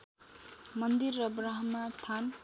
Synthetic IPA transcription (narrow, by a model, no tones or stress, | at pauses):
mʌnd̪irːʌbɾaɦʌmːat̪ʰan